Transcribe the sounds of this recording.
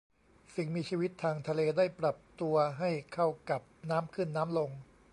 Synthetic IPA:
si˨˩ŋmiː˧t͡ɕʰiː˧wi˦˥t̪ʰːaː˧ŋt̪ʰa˧leː˧daː˥˩jpɾa˨˩p̚t̪u˧ɐɦa˥˩jkʰa˥˩wka˨˩p̚naː˦˥mkʰɯ˥˩nːaː˦˥mlo˧ŋ

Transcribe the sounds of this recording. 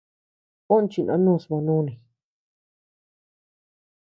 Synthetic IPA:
o˦n˦t͡ʃi˧nʔã̰˧˦nũ˦˨smã˧nũ˦nĩ˨

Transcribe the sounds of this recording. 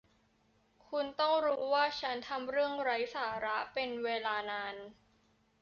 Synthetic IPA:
kʰu˧nt̪ɔ˥˩ŋɾuː˦˥waː˥˩t͡ɕʰa˦˥nt̪ʰa˧mɾɯ˥˩əŋɾa˦˥jsaː˩˦ɾa˦˥ʔpe˧nweː˧laː˧naː˧n

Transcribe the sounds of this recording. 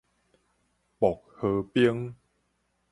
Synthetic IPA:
pɔ˨˩k̚həː˧˩piə˦ŋ

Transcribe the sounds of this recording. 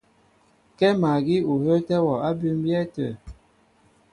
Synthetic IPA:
kɛ˦ma˨ɡi˦u˨hə˦tɛ˦wɔ˨a˦bʉ˦mbjɛ˦tə˨

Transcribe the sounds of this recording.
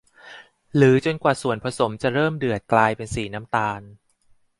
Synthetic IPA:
lɯː˩˦t͡ɕo˧nkwaː˨˩su˨˩ənpʰa˧so˩˦mt͡ɕa˨˩ɾɤː˥˩mdɯ˨˩ət̪̚klaː˧jpe˧nsiː˨˩na˦˥mt̪aː˧n

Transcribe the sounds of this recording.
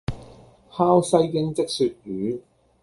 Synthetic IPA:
haː˥wsɐ˧˥jkɪ˥˧ŋt͡sɪ˥k̚sy˧t̚jyː˨˥

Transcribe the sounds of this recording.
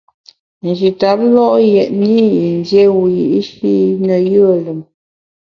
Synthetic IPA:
n̩˨d͡ʒi˨ta˨˦p̚lɔ˦ʔjɛ˨ʔ̚ni˦i˨n˦dje˦wu˨ji˨ʔi˦ʃi˦nə˨jə˦˨lə˨m

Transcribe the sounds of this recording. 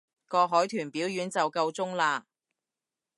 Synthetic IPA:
kɔː˧ɦɔː˨˥jt̪ʰyː˨˩npiː˨˥wjyː˨˥nt͡sɐ˨wkɐ˧wt͡sʊ˥ŋlaː˧

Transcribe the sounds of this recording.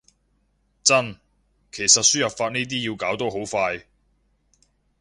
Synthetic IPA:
t͡sɐ˥n | kʰe˨˩jsɐ˨t̚syː˥jɐ˨p̚faː˧t̚niː˥t̪̬iː˥jiː˧wkaː˨˥wt̪ɔː˥ɦo˨˥wfaː˧j

